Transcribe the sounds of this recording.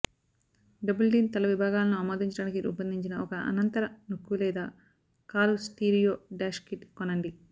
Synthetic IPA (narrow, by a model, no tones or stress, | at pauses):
ɖɐbɐlɖiːnt̪ɐlɐʋibʱaːɡaːlɐnuɐmaːd̪iɲt͡ʃɐɽaːnikiʔṵːpɐnd̪ʱiɲt͡ʃinɐɔkɐʔɐ̰nɐnt̪ɐɾɐnukːulɛːd̪aː | kaːlusʈiːɾijoːɖaːʃkiʈkonɐɳɖi